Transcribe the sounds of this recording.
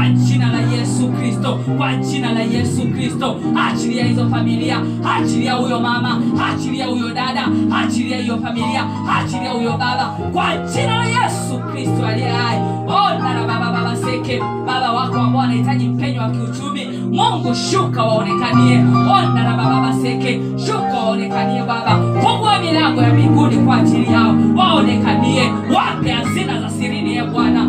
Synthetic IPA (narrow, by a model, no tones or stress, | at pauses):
aɲ̩t͡ʃinalajɛsukɾistɔkwaɲ̩t͡ʃinalajɛsukɾistɔ | hat͡ʃiɾijahizɔfamilia | hat͡ʃiɾijahujɔmamahat͡ʃiɾijahujɔɗaɗahat͡ʃiɾijahijɔfamilia | hat͡ʃiɾijahujɔɓaɓa | kwaɲt͡ʃinalajɛsukɾistɔaliɛjaji | ɔndanaɓaɓaɓaɓasɛkɛ | ɓaɓawakɛwamɔanaitaʄim̩pɛɲɔwakiut͡ʃumi | muŋɡuʃukawaɔnɛkaniɛɔndanaɓaɓaɓasɛkɛ | ʃukawaɔnɛkaniɛɓaɓakɔŋɡuamilaŋɡɔjamiɡunikwaːd͡ʒiɾijaɔwaɔnɛkaniɛ | wakɛjazinazasiɾinijaɓwana